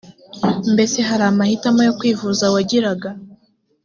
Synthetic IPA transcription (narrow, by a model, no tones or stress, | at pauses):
mbe̞se̞ɦaɾaːmahitamojo̞kwiːvuzawaɟiɾaɡa